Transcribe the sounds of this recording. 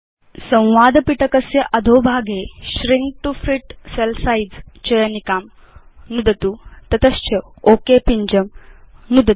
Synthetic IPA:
sɐ̃w̃ʋaːd̪piʈəkəsjɐʔɐd̪ʱoːbʱaːɡeɕɾiŋɡ̚ʈufiʈselsaid͡zt͡ɕɐjənikaːm | nud̪ɐt̪uːt̪ɐt̪əst͡ɕɐoːkepiɲd͡ʑəmnud̪ə

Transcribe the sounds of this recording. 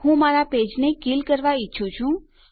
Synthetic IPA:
ɦũmaɾaped͡ʒnekilkəɾʋaitːʃʰũt͡ʃʰũ

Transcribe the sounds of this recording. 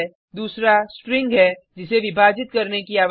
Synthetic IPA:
d̪uːsɾasʈɾɪ̃ŋɡɦɛ | d͡ʒɪseʋɪbʱaːd͡ʒɪt̪kɐɾnekiaːʋ

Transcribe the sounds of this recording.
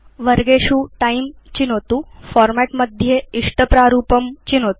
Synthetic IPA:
ʋəɾɡeɕuːʈaim | t͡ɕinɦot̪uːfɔɾmæʈməd̪ʱjeiʂʈəpɾaɾuːpəmt͡ɕiːnɦot̪u

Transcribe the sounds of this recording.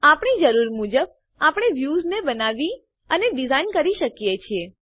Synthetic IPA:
apɳ̃id͡ʒəɾuɾmud͡ʒəb̚ | apɳ̃eʋjuznebənaʋi | əneɖizainkəɾiʃəkjet͡ʃʰie

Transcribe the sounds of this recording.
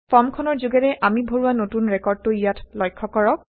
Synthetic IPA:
pʰɔmkʰɔnɔɹzuɡɛɹɛʔamibʱoɹuwanotunɹɛkɔɹd̚toijatlɔjkʰːɔkɔɹɔk̚

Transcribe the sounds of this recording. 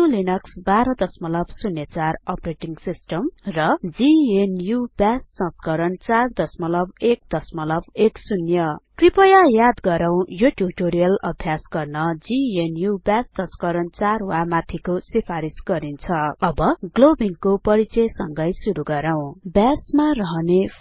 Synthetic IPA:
ulinʌksbaɾʌd̪ʌsmʌlʌbsunjʌt͡sarʌpreʈiŋɡsisʈʌmrʌd͡zienjubasːʌ̃skʌɾʌnt͡sard̪ʌsmʌlʌbek̚d̪̥ʌsmʌlʌbeksunjʌkripʌjajad̪ɡʌɾaw̃joʈjuʈoɾijʌlʌ̰bʱjasɡʌrnʌd͡zienjubasːʌ̃skʌɾʌnt͡sarwamat̪ʰikosipʰaɾisɡʌɾint͡sʰʌʌbʌɡlobiŋkopʌɾit͡sʌsʌŋɡʌjsuɾuɡʌɾaw̃bjasmarʌɦʌne

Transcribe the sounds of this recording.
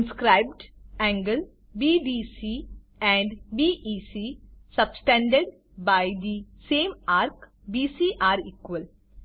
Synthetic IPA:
nskɾaɪbɖɛ̃ːŋɡəl | biːɖiːsi | ɛ̃ɳɖbiːʔiːsisɐbsʈɛ̃ɳɖəɖ | baɪd̪isẽːmaːɾk | biːsiʔaːɾiːkʋəl

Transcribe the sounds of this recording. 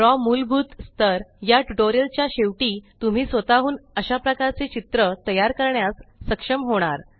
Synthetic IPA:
ɾɔmulbʱuːt̪st̪əɾjaʈuʈoɾijəlt͡ɕjaɕeʋʈiːt̪um̤iːsʋət̪aɦuːnəɕapɾəkaɾt͡set͡ɕit̪ɾət̪əjaɾkəɾɳjasːəkʂəmɦoɽ̃aɾ

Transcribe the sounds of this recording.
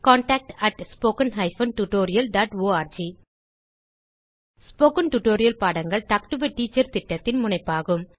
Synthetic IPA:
kaːɳʈaːk̚ʈɐʈspoːkɐnɦɐɪfɐnʈuʈoːɾɪjɐlɖaːʈoːaːɾd͡ʒiː | spoːkɐnʈuʈoːɾɪjɐlpaːɽɐŋɡɐɭt̪ɐk̚ʈɯʋɐʈːiːt͡ʃːɐɾt̪ɪʈːɐt̪ːɪnmʊɳɐɪpːaːɣɯm

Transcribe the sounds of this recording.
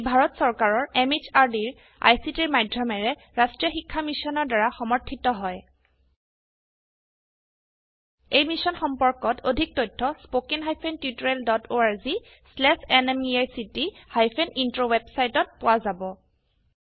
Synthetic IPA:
bʱaɹɔtsɔɹkaɹɔɹemizaɹdiɹ | a̰jsitiɹmajdʱɹɔmɛɹɛ | ɹastɹijɔxikʰːamisɔnɔɹdaɹaxɔmɔɹtʰːitɔɦɔj | ejmisɔnxɔmpɔɹkɔtʰodʱik̚tɔjtʰːɔspokinɦajpʰentjutɔɹɛldɔtʰoaɹzi | slɛsɛnɛmiajsitihajpʰenintɹowebsajtɔt̚pʊwazabɔ

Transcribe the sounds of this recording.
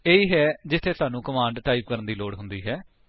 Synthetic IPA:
eːiːɦɛːd͡ʒɪt̪ʰːeːt̪aːnũːkəmãːɳɖʈaːiːp̚kəɾənd̪iːloːɽɦʊnd̪iːɦɛː

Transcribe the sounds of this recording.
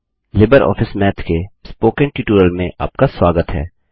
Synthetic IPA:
lɪbəɾʔɔ̰ːfʰɪsmɛːt̪kespoːkẽɳʈuːʈuːɾəlmẽʔa̰ːp̚kaswaːɡət̪ɦɛ̰ː

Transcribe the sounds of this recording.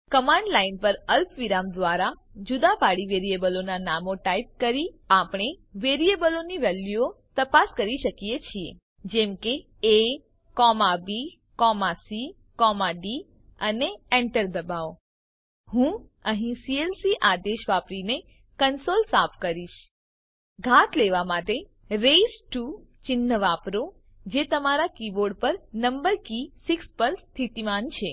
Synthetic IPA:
kəmãɳɖlainpəɾəlpʋiɾamd̪ʋaɾad͡ʒud̪apaɽiʋeɾiebəlonanamoʈaip̚kəɾiapɽ̃eʋeɾiebəloniʋɛljuot̪əpaskəɾiʃəkijet͡ʃʰiḛ | d͡ʒɛmke | e | kɔmabi | kɔmasi | kɔmaɖi | əneɛɳʈəɾd̪əbao | hũ | əɦĩsielsiʔad̪eʃʋapɾine | kənsolsapʰkəɾiʃ | ɡʱat̪leʋamaʈe | ɾesʈu | t͡ʃɪnːəʋapɾo | d͡ʒet̪əmaɾakiboɖpəɾnəmbəɾkisikspəɾst̪ʰit̪imant͡ʃʰe

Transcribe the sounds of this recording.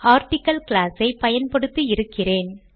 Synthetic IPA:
aːɾʈɪkːɐlklaːsɐɪpɐjɐnpɐɽɯt̪ːɯɪɾɯkːɪreːn

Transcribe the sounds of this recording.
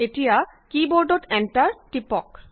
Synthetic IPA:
eʈija | kiboɾɖoʈɛnʈaɾʈipɔk

